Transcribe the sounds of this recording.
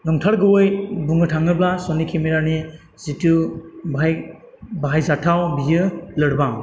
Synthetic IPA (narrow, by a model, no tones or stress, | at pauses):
nɔŋtʰaɾɡɯwɯjbuŋɯtʰaŋɯblasɔnikʰimiɾani | z̥itubaj | baɦajzatʰawbijɯlɯɽbaŋ